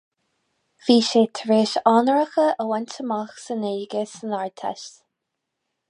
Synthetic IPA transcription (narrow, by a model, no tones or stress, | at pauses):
v̥iːʃeːt̪ʰəɹeːʃɑːnəɹəxəʔəwɛntəmaxsəneːɡəsənaɹt̪ʰɛ̰ʃt